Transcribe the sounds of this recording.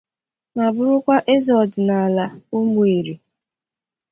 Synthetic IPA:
ma˨bʊ˦ɾʊ˦kʷa˦ʔe˦zɔ˨dɪ˨na˨la˨ʊ˦mu˨e˨ɾi˨

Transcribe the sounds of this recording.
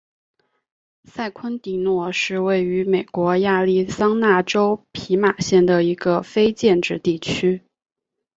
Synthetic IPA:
sa˥˩ɪkʰwə˥nt̪i˧˥nwɔ˥˩ʂɻ̩˥˧we˥˩ɪy˧˥me˨˩ɪkwɔ˧˥ja˥˧li˥˩sɑ˥ŋna˥˩ʈ͡ʂo˥ʊpʰi˧˥ma˨˩ɕjɛ˥˩nd̪ə˩i˧˥ɡə˧fe˥ɪt͡ɕjɛ˥˧nʈ͡ʂɻ̩˥˧t̪i˥˩t͡ɕʰy˥

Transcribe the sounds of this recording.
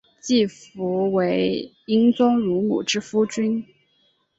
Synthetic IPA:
t͡ɕi˥˩fu˧˥we˧˥ɪ | i˥ŋt͡sʊ˥ŋɻu˧˥mṵ˨˩ʈ͡ʂɻ̩˥fu˥t͡ɕy˥n

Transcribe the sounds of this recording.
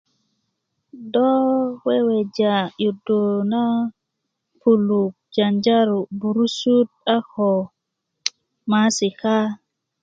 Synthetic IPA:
dɔ˦we˦we˨d͡ʒa˨ju˨do˨na˦ | pu˨lu˨k̚d͡ʒa˨nd͡ʒa˦ɾu˨bu˨ɾu˦su˦t̚a˦hɔ˨ | ma˨˦si˨ka˦

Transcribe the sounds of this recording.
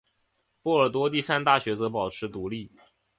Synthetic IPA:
pwɔ˥˩ə˞˨˩t̪̬wɔ˥t̪̬i˥˩sa˥nt̪a˥˩ɕɥɛ˧˥t͡sɤ˧˥pɑ˨˩ʊʈ͡ʂʰɻ̩˧˥t̪u˧˥li˥˩

